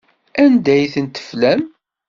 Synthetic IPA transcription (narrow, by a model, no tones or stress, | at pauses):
ænd̪æjθənt̪ə̥flæm